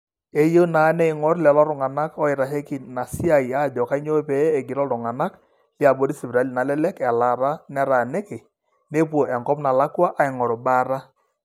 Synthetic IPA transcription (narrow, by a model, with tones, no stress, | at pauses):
e˦jo˦na˨˦nɛ˦ɪ˨ŋɔ˦ɾlɛ˨lɔ˦ɾʊ˨ŋa˨na˦kɔ˦ɪ˨ɾa˨ɦe˦ki˨na˨si˦a˨i˨a˦˨d͡ʒɔ˨ka˦i˦ɲo˦pɛː˨˦˨ɡɪ˨ɾɔ˦lʊ˨ŋa˨na˦k | li˦a˨bo˦ɾi˦si˨bɾa˨˦lna˨lɛ˦lɛ˦kɛ˨la˨ɾa˦nɛ˦ɾa˨ne˦ke˨ | ne˦p̬wo˨ʔɛ˨ŋɡɔ˦pna˨la˦kwa˦ʔa˨ɪ˨ŋɔ˨ɾo˨ba˦ɾa˦